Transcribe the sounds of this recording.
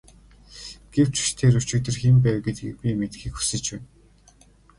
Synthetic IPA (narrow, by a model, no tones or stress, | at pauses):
ɡ̥ew̥t͡ɕu̥ʃt̪ʰeːɾɵt͡ɕuːt̪ɘ̆rxempæːwɡet̪pʲimet̪xiːkxu̥sɘ̆t͡ɕpæːn